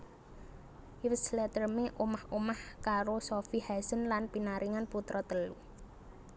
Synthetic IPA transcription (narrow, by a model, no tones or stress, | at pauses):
wəslɛt̪ərmeʔomahomahkaɾosofihasənlanpinaɾiŋanput̪ɾɔt̪əlu